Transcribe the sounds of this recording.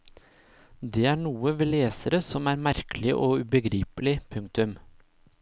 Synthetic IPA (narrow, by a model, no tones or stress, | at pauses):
d̪eːæːɳuːəʋeːleːsəɾəsɔmæːɾmæɾkʰəlɪʔoːʉːbəɡɾiːpəlɪpʰʉŋk̚t̪ʉm